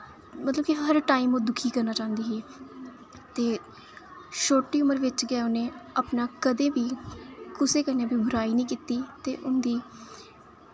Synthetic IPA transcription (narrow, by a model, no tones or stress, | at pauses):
mət̪ləbkiɦəɾʈaːiːmõːd̪ʊkʰiːkəɾnaːt͡ʃãːnd̪iːɦiː | t̪eː | ʃoːʈːiːʊməɾʋɪt͡ʃɡɛːonẽːəpnaːkəd̪ẽːʋiːkʊseːkənẽːbiːbʱʊɾaːiːnĩːkiːt̪iːt̪eːʔʊnd̪iː